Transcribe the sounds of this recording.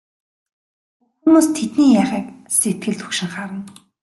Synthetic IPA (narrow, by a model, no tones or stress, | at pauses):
xŭmoːst̪ʰet̪niːjaːχiːkset̪̚ɡɘ̆ɮt̪xu̥kʃɪ̆ŋχaɾə̆n